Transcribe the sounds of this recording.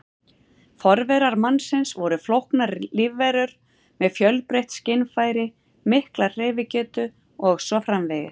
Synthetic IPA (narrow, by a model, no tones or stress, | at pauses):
fɔɾvɛɾaɾmanːsɪnsvɔɾʏflowhknaɾlɪvːejɾʏɾ | mɛðfjœlpɾejht̪scɪnfaːjɾɪ | mɪhklar̥ejvɪcɛːt̪ʏ | ɔɣsɔfɾamvɛjðɪ̰